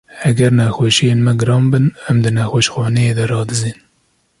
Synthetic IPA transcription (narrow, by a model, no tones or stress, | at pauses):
hɛɡɛɾnɛxoːʃijeːnmɛɡɨɾɑːmbɨnɛmd̪ɨnɛxoʃxɑːnɛjeːd̪ɛɾɑːd̪ɨziːn